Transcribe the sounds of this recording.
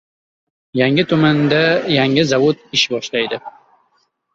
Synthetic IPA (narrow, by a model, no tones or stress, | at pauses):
jaŋɪt̪ʰʊmand̪ajaŋɪzavot̪ɪʃbɒʃlajd̪ɪ